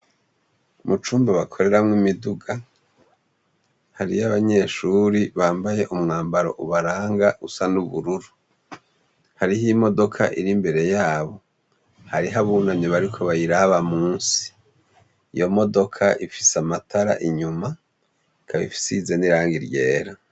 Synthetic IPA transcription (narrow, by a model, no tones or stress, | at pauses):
mʔut͡ʃuːmbaβakʰo̞ɾe̞ɾamŋimiduɡa | haɾḭjaβaɲe̞ʃuɾiβaːmbaje̞ʔumŋaːmbaɾo̞̰ʔuβaɾaːŋɡaʔusanuβuɾuɾu | haɾihimo̞do̞kʰa̰ʔḭɾimbe̞ɾe̞jaːβo̞ | haɾiɦaβuːnamɲeβaɾikʰo̞βajiɾaβamuːnsi̥ | ijo̞mo̞do̞kʰaʔifi̥samatʰaɾa̰ʔiɲuma | kʰaβḭfi̥sizeniɾaːŋɡiɾje̞̰ːɾa